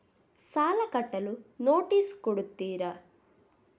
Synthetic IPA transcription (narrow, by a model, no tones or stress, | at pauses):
saːlɐkɐʈːɐlunoːʈiːskuɽut̪ːiːɾɐ